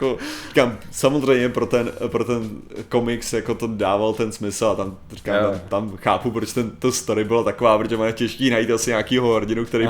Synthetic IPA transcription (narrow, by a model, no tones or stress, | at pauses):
koɾikaːmsamozrɛjmɲɛpɾo̞t̪ɛnpɾot̪ɛnko̞mɪksjako̞t̪odaːvalt̪ɛnsmɪsl̩at̪am | rikaːmt̪amt̪amxaːpupɾot͡ʃt̪ɛnt̪ost̪oɾɪbɪlat̪akovaːpɾod͡ʒʒmanɛcɛʃkiːnajit̪asɪɲaːkiːɦoɦoɾɟɪnukt̪ɛɾij